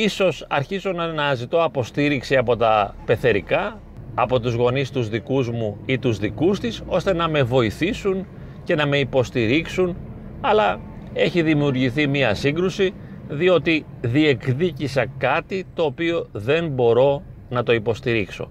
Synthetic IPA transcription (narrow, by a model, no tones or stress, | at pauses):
iso̞sɐɾçizo̞nɐnɐzit̪o̞ɐpo̞st̪iɾiksiɐpo̞t̪ɐpe̞θe̞ɾikɐː | po̞t̪uzɣo̞nist̪uzðikuzmuit̪uzðikust̪iso̞st̪e̞nɐme̞vo̞iθisun | ce̞nɐme̞ipo̞st̪iɾiksun | ɐlɐ | e̞çiðimiuɾʝiθimiɐsiŋɡɾusi | ðio̞t̪i | ðiekðicisɐkɐt̪it̪o̞ːpio̞ðe̞nbo̞ɾo̞nɐt̪o̞ipo̞st̪iɾikso̞̰